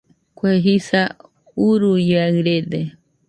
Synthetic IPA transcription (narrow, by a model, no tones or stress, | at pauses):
kweɦisa | uɾujaɨɾed̪e